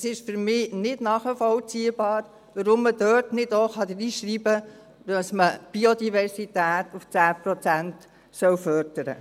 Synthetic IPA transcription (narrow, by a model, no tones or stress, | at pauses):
sɪʃfyɾmɪːnɪdnɑːχəfɔlt͡siəbɑːɾ | ʋəɾʊmːəd̥œrtnɪdoχɑdəɾiːʃɾiːbə | d̥ɑsməb̥iodivɛɾsitæːtuft͡sæːpɾɔt͡sænt | sœwfœɾdəɾə̰